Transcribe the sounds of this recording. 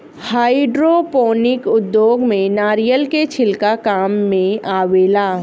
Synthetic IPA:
haːɪɖɾopoːnɪkʊd̪ːjoːɡmẽnaːɾijəlket͡ʃʰɪlkakaːmːẽaːʋeːlaː

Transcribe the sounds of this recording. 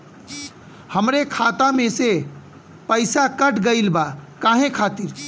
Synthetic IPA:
həmɾekʰaːt̪amẽse | pəɪsakəʈɡəilbakaːɦẽkʰaːt̪iɾ

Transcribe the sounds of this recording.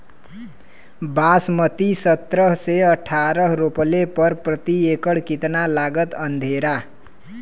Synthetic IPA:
basmʌt̪isʌt̪ɾʌɦseʌʈʰaɾʌɦɾopʌlepʌɾprʌt̪iekʌɽkit̪nalaɡʌt̪ʌnd̪ʱeɾa

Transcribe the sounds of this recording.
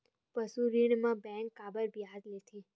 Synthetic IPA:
pəsuɾiɽmãbɛ̃ŋkːabəɾbjad͡ʒlet̪ʰi

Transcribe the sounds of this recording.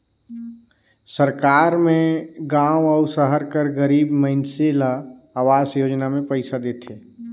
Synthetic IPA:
səɾkaːɾmẽɡãːwɔʊsəɦəɾkəɾɡəɾiːbməɪnsela | aːʋaːsjoːd͡ʒnamẽpəɪsad̪eːt̪ʰeː

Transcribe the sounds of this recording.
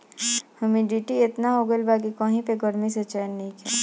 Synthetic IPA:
hɐmĩɖiːʈiɪt̪naɦoɡəlbaːkikəɦĩpeɡəɾmiset͡ʃɛːnːĩkʰɛː

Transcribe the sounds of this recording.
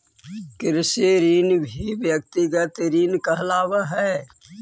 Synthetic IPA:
kɪɾseɾiːnbʱiʋjək̚t̪iɡət̪ɾiːnkɐɦlaːwaɦɛː

